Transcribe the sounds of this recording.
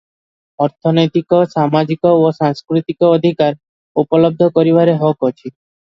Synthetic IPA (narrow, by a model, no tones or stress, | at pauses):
ɔɾt̪ʰɔnɔjt̪ikɔsamad͡ʒikɔosaŋskɾit̪ikɔːd̪ʱikaɾ | upɔlɔb̚d̪ʱɔkɔɾiβaɾeɦɔkɔt͡ʃʰi